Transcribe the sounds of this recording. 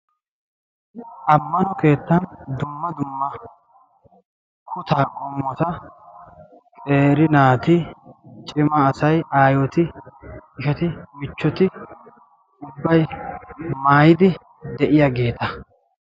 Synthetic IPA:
ʔɐmːɐnɔke̞ːt̪ːɐnd̪ʊmːɐd̪ʊmːɐ | kʰʊt̪aːkʼɔmːɔt̪ɐ | kʼeːɾɪnaːt̪ɪt͡ʃʼɪmɐːsɐjaːjɔt̪ɪ | ɪʃɛt̪ɪmɪt͡ʃːɔt̪ɪ | ʊbːɐj | maːjɪd̪ɪ | d̪ɛʔɪjaɡe̞ːt̪ɐ

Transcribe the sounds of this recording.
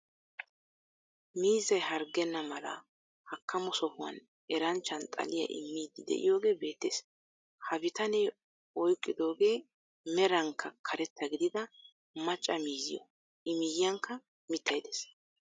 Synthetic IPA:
miːzɐjhɐɾɡɛnːɐmɐlɐ̰ | hɐkːɐmɔsɔhʊwɐ̰n | ʔɛɾɐnt͡ʃːɐnt̪ʼɐ̰lɪjɐ̰ʔɪ̰mːiːd̪ɪd̪ɛ̰ʔɪ̰jo̞ːɡe̞ːbe̞ːt̪ːeːs | hɐbɪt̪ɐnɛ | ɔjkʼːɪd̪o̞ːɡe̞ː | mɛɾɐŋkʰːɐkʰɐɾɛt̪ʰːɐɡɪd̪ɪd̪ɐ | mɐt͡ʃʼːɐmiːzɪjɔ̰ | ɪmɪjjɐŋkːɐ | mɪt̪ːɐjd̪eːs

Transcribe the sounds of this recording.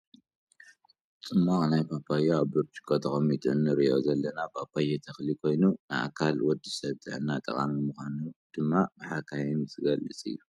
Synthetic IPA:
t͡sʼɨmːaknajpʰapʰajeaβbɨɾt͡ʃʰʼi̥kʼot̪ʰɐxʼɐmit̪ʰʼunːɨɾɨozɐlːɐnapʰapʰajet̪ʰɐxlikʰo̞jnunɨa̰kʰalwɔd̪ːisɐβzɨ̰ʕɨnat̪ʼɐ̰χʼa̰mimuxʷanud̪̥ɨmːabɨħakʰaimɨt̪ʰɨɡɐlːɨt͡sʼɨ̰jːu

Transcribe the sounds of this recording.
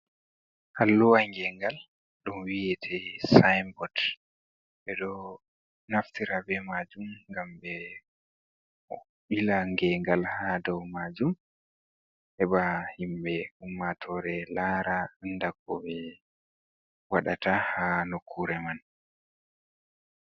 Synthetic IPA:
halːuwaŋɡɛŋɡal | ɗunwijɛtʰɛsajmbɔd | ɓɛɗɔ | naftiɾabɛmad͡ʒumŋɡambɛ | ɓilaŋɡɛŋɡalhadɔwmad͡ʒum | hɛɓahimɓɛumːatʰɔɾɛlaːɾaandaɡɔɓɛ | waɗatahanokʰːuɾɛman

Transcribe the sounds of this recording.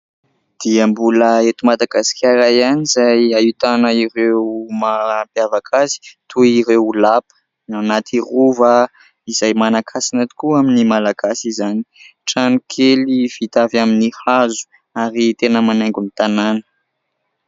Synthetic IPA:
d̪̥iəmbuləet̪umad̪aɡasi̥kʲaɾajanizajait̪anəiɾewmampjavakʰazi̥t̪uiɾewlapə̥ | anat̪ʰiruvə | izajmanakʰasinat̪i̥kuaminimalaɡasizani̥ʈ͡ʂanukʰeliv̥it̪avaminihazu̥ | aɾit̪enəmanaŋɡunit̪ananə̥

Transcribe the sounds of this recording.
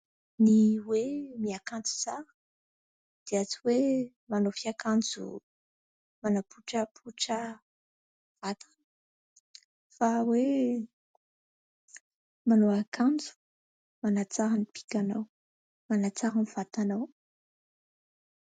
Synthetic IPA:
niwemiakand͡zu̥t͡sa | d̪̥eat͡siwe | manofiakand͡zṵ | manapuʈ͡ʂəpʰuʈ͡ʂə | v̥at̪ʰḁnə | fawe | manoakand͡zu̥ | manat͡saɾanipi̥kʲanaw | manat͡saɦaniv̥at̪anaw

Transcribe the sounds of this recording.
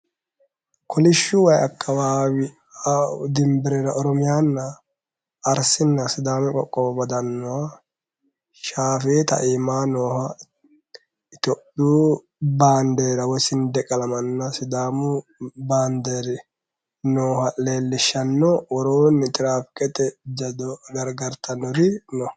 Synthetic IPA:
kʰɔlɪʃːʊwɐjɐkʰːɐwaːwɪ | d̪ɪmbɪɾeɾɐʔɔɾɔmɪjaːnːɐː | ɾsɪnːɐsɪd̪aːmɛkʼɔkʼːɔwbɐd̪ɐnːɔwa | ʃaːfeːt̪ɐ̰ʔiːmaːnoːhɐ | t̪ɔʔuː | baːnd̪eːɾɐwɔjsɪnd̪ɛkʼɐlɐmɐnːɐsɪd̪aːmʊbaːnd̪eːɾɪ | noːhɐleːlːɪʃːɐnːɔwɔɾoːnːɪt̪ʼɪɾaːpkʼɛt̪ɛd͡ʒɐd̪ɔɡɐɾɡɐɾt̪ʰɐnːɔɾɪnɔ

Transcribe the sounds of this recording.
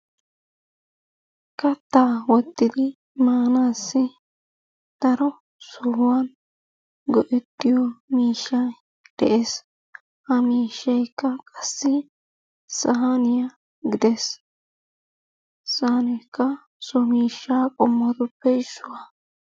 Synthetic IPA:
kɐt̪ːaːwɔt̪ːɪd̪ɪ | maːnaːsːɪ | d̪̥ɐɾɔ | sʊhwan | ɡɔʔɛt̪ːɪjɔmiːʃːɐ | d̪̥ɛ̰ʔeːs | hɐmiːʃːɐjkːɐkʼɐsːɪ | sɐɦanɪjɐ | ɡɪd̪ɛs | sanɛjkːɐ | sɔmiːʃːaːkʼɔmːɔt̪ʊpːɛɪsːʊwa

